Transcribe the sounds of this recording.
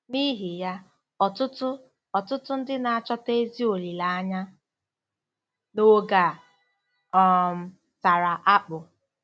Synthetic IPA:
ni˦ɦi˨ja˦ | ɔ˨tʊ˦tʊ˦ | ɔ˨tʊ˦tʊ˦n̩˦dɪ˦na˨a˦˨t͡ʃɔ˦te˦zi˦o˨li˨la˦a˦ɲa˦ | no˦ɡa˨ | ɔ˨m̩˨ | ta˨ɾa˨ʔa˦k͡pʊ˨

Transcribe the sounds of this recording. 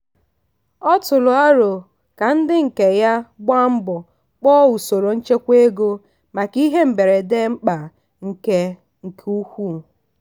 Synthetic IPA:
ɔ˦tʊ˨lʊ˨a˦ɾʊ˨ | ka˨n̩˦dɪ˦ŋ̩˨ke˨ja˦ɡ͡bʷa˦m̩˦bɔ˨ | k͡pɔ˦wu˨so˨ɾo˨n̩˦t͡ʃe˦kʷe˦ɡo˦ | ma˨ki˦ɦe˦m̩˨be˨ɾe˨de˦m̩˦k͡pa˨ | ŋ̩˨ke˦ | ŋ̩˨kʰu˦hʷu˦˨

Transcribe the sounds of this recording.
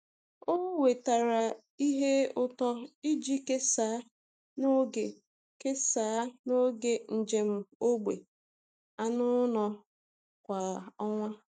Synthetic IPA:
o˦we˨ta˨ɾa˨ | i˦ɦe˦ʊ˦tɔ˦i˦d͡ʒi˦ke˦saː˨˦ | no˦ɡe˨ | ke˦saː˨˦no˦ɡe˨n̩˨d͡ʒe˨m̩˦o˦ɡ͡be˨ | a˦nʊ˦nɔ˨ | kʷa˨ɔ˦ŋʷa˦

